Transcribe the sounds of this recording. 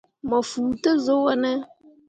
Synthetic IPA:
ma˨fuː˨tə˦zo˦wa˦nə˦

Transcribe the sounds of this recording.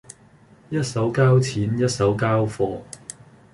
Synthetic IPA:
jɐ˥t̚sɐ˨˥wkaː˥wt͡sʰiː˨˥njɐ˥t̚sɐ˨˥wkaː˥wfɔː˧

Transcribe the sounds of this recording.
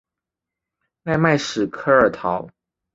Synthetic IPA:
na˥˧ɪma˥˩ɪʂɻ̩˨˩kʰɤ˥ə˞˨˩t̪ʰɑ˨˧˦ʊ

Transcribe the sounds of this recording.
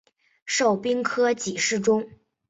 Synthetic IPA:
ʂo˥˩ʊpi˥ŋkʰɤ˥t͡ɕi˨˩ʂɻ̩˥˩ʈ͡ʂʊ˥ŋ

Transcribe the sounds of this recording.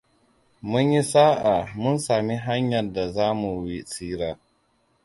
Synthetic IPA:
mʊ˦ɲji˦saː˦ʔa˨mʊ˦nsaː˨mi˦ɦa˦ɲjɐ˨da˨zaː˦mu˨wi˦siː˦ɾaː˦

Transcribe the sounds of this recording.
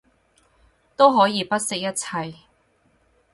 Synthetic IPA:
t̪o˥wɦɔː˨˥jiː˨˧pɐ˥t̚sɪ˨k̚jɐ˥t̚t͡sʰɐ˧j

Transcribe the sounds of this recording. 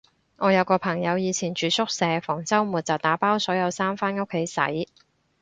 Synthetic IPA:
ŋɔː˨˧jɐ˨˧wkɔː˧pʰɐ˨˩ŋjɐ˨˧wjiː˨˧t͡sʰiː˨˩nt͡ʃyː˨˧sʰʊ˥k̚sɛː˨˧fɔː˨˩ŋt͡sɐ˥wmuː˨t̚t͡sɐ˨˩t̪aː˨˥paː˥wsɔː˨˥jɐ˨˧wsaː˥mfaː˥nʊ˥kʰːe˨˥jsɐ̰˨˥j

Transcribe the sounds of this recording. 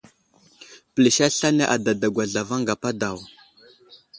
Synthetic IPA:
pə˨li˨ʃa˦ɬa˦ne˦ʔa˨da˨da˨ɡwa˨ɮa˨va˦ŋɡa˨pa˦da˨w

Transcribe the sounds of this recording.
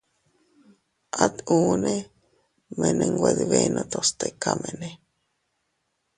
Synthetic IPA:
ʔat̪u˦ne | me˨ne˧ŋɡʷwʷe˧ðiβenʔo˧t̪ost̪e˨kame˨ne˨

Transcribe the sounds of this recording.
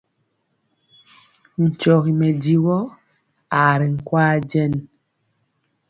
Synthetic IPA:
n̩˨t͡ʃɔ˨ɣi˨mɛ˨di˨wɔ˦ | a˨ɾi˨ŋ̩˨kwaː˦d͡ʒɛ˦˨n

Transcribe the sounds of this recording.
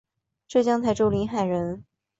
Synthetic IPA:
ʈ͡ʂɤ˥˩t͡ɕjɑ˥ŋt͡sʰa˥˩ɪʈ͡ʂo˥˩ʊli˧˥nxa˨˩ɪɻə˧˥n

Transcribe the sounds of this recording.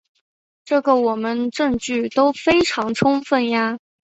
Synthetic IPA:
ʈ͡ʂɤ˥˩ɡə˩wɔ˨˩mə˦nʈ͡ʂɤ˥˧ŋt͡ɕy˥˩t̪o˥ʊfe˥ɪʈ͡ʂʰɑ˧˥ŋʈ͡ʂʰʊ˥ŋfə˥˩nja˧

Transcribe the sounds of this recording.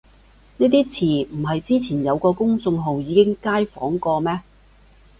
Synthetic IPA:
ne˥t̪̬iː˥t͡sʰiː˨˩m̩˨˩ɦɐ˨jt͡siː˥t͡sʰiː˨˩njɐ˨˧wkɔː˧kʊ˥ŋsʊ˧ŋɦo˨wjiː˨˧kɪ˥ŋkaː˥jfɔ̰ː˨˥ŋkɔː˧mɛː˥

